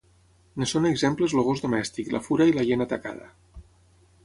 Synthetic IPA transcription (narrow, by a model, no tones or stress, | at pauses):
nesoneɡzempləzloɣ̞ozðomɛst̪ikla̰fuɾailaʎenat̪aka̰ð̞ə̰